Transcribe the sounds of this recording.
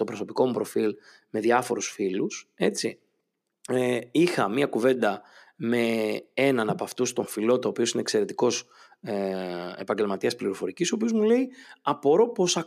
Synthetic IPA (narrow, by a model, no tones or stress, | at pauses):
t̪o̞pɾo̞so̞piko̞mupɾo̞fil | me̞ðʝɐfo̞̰ɾusfiluse̞t͡si | ixɐmiɐkuve̞nd̪ɐ | me̞e̞nɐnɐpoɐft̪ust̪o̞ɱfilo̞t̪oːpio̞sineːkse̞ɾe̞t̪iko̞s | ḛpɐɲɟe̞lmɐt̪iɐspliɾo̞fo̞ɾicisopio̞zmule̞iɐpo̞ɾo̞po̞sɐ